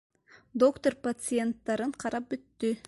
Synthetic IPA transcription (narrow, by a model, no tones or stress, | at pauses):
d̪okt̪orpɐt̪sɨe̞nt̪ːɑɾɯɴqʰɑɾɑp̚byt̪ːy